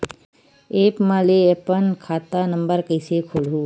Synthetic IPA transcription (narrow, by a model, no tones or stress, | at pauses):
eːpmaːleepənkʰaːt̪aːnəmbəɾkəɪsekʰoːlɦuː